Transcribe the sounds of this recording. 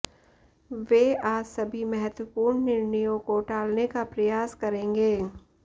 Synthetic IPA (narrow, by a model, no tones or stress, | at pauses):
ʋeaːsɐbʱimɛɦɛt̪wəpuːɾɳnɪɾnijõkoʈaːlnekapɾɐjaːskɐɾẽːŋɡeː